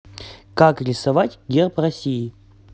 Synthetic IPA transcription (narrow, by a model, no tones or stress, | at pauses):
kakɾʲɪsɐvatʲɡʲerprɐsʲiː